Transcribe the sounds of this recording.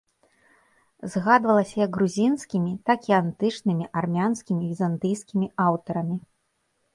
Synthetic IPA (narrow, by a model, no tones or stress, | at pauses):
zɣad̪vɐlˠɐsʲɐjɐɡɣɾuzʲinskʲimʲit̪akiant̪ɨt͡ʂnɨmʲiʔarmʲanskʲimʲivʲizant̪ɨjskʲimʲiawt̪ɐɾɐmʲi